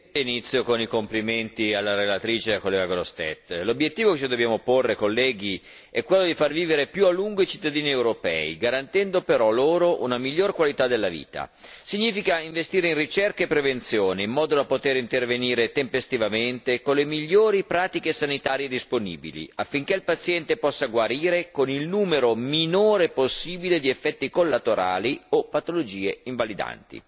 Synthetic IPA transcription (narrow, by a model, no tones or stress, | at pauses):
init̪sːjokonikompliment̪ialːaɾelat̪ɾiːt͡ʃekolːɛːɡaɡoɾost̪ɛ̰t̪ːlobjet̪ːiːvoket͡ʃid̪objaːmoporːekolːɛːɡi | ɛkːwelːod̪ifarviːveɾepjualːuŋɡoit͡ʃi̥t̪ːad̪iːniewɾopɛ̰iɡaɾant̪ɛnd̪opeɾɔloːɾoʔunamiʎːoːrkwalit̪ad̪elːavḭːt̪a̰ | siɲːiːfikaiɱvest̪iːɾeinrit͡ʃɛrkaepːɾevent̪sjoːneimːɔːd̪od̪apot̪eɾint̪erveniːɾet̪empest̪ivament̪ekolːemiʎːoːɾipɾaːt̪ikesanit̪aːɾjed̪isponḭːbḭlḭafːiŋkeilpat̪sjɛnt̪epɔsːaɡwaɾiːɾekonilnuːmeɾominoːɾeposːiːbiled̪iefːɛt̪ːikolːat̪oɾa̰ːliopat̪olod͡ʒiːeiɱvalid̪a̰nt̪ḭ